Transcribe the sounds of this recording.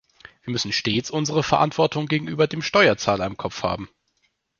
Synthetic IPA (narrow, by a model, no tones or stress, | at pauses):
v̥iːɐmʏsn̩ʃteːt͡sʔʊnzəʁ̞əfɛɐʔa̰ntv̥ɔɐtʊŋɡeːɡŋ̩ʔy̰ːbɐdeːmʃtɔʏɐt͡saːlɐɪmkʰɔp͡fha̰ːbm̩